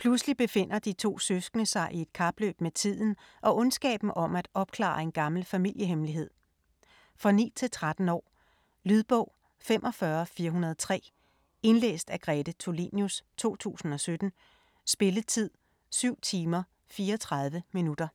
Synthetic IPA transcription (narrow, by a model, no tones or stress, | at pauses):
pʰluslib̥e̝fe̝n̰ɐd̥it͡sʰo̝̰ːsøsɡ̥nəsɑ̈ɪʔie̝d̥kʰɑ̈b̥lø̰ːb̥met͡sʰið̰ˠn̩ʔɒ̽ʔɔ̽nsɡ̥ɛ̰ːb̥n̩ʔɒ̽mæd̥ɒ̽b̥̚kʰlɑ̰̈ːɐe̝nɡ̥ɑ̈ml̩fæmil̰jəɦemliɦe̝ð̞̰ˠ | fʁɑ̈nḭːt͡sʰe̝lt͡sʰʁad̥n̩ɒ̰ː | lyðˠb̥ɔ̽ʊ̰ | femʔɒ̽fɶɐfiːɐɦunɐð̞̩ˠt͡sʰʁɛ̰ː | e̝nlḛːsd̥æɡ̥ʁɛd̥ət͡sʰo̝lḭnjust͡sʰo̝̰ːt͡sʰṵːsn̩ɒ̽sød̥n̩ | sb̥e̝lət͡sʰið̞̰ˠ | syʊ̰t͡sʰiːmɐ | fiːɐɒt͡sʰʁɑ̈ð̞ˠʋəminud̥ɐ